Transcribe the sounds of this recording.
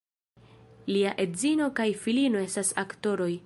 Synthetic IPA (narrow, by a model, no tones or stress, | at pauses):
liaʔe̞dzino̞kajfilino̞e̞stasakto̞ɾo̞j